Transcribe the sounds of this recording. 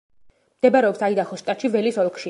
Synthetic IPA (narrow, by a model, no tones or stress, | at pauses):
md̪ɛbaɾɛɔpsaid̪aχɔsʃt̪ʼat̪ʃivɛlisɔlˠkʰʼʃi